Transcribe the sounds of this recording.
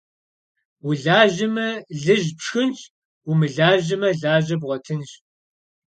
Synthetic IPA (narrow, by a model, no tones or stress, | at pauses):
wʊɮaːʒɪmɐɮɨʑpʂxɨnt͡ʃʰʼ | umɨɮaːʑɪmɐɮaːʒɐbʁʷɔtʰɨnɕ